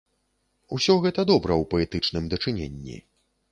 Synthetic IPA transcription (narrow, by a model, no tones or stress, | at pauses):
usʲɔɣɛt̪ɐd̪ɔbɾɐwpɐɛt̪ɨt͡ʂnɨmd̪ɐt͡ʂɨnʲḛnʲːḭ